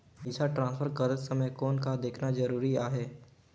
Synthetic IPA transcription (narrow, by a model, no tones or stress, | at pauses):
ɪsaʈɾãːspʰəɾkɐɾət̪sɐməjkɔːnkad̪eːkʰnad͡ʒɐɾuːɾiaːɦɛː